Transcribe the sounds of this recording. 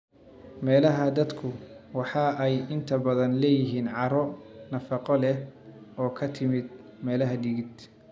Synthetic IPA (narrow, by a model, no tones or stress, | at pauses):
mɛːlɐɦɐd̪ɐd̪kʰʊwɑħɑːɛjɪnt̪ʰɐbɐðɐnlɛːjɪɦiːnʕɑɾɔnɐfɑqɔlɛɔːkʰɐt̪ʰɪmɪd̪ | mɛːlɐɦɐɖ̪ɪɣɪd̪